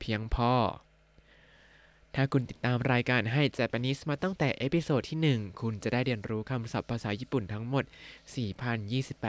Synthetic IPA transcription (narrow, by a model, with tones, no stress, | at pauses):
pʰi˦˥əŋpʰɔː˧˩ | t̪ʰaː˥˩kʰu˧nt̪i˨˩t̪ːaː˧mɾaː˧jkaː˧nɦa˥˩jt͡ɕɛː˧˩pɛ˧ni˦˥smaː˧t̪ɔ˥˩ŋt̪ɛː˨˩ʔe˦˥pi˧soː˨˩t̪ʰːiː˥˩nɯ˨˩ŋkʰu˧nt͡ɕa˨˩daː˥˩jɾi˧ənɾuː˦˥kʰa˧msa˨˩pʰːaː˧saː˩˦jiː˥˩pu˨˩nt̪ʰa˦˥ŋmo˨˩t̪̚siː˨˩pʰa˧njiː˥˩si˨˩pːɛː˨˩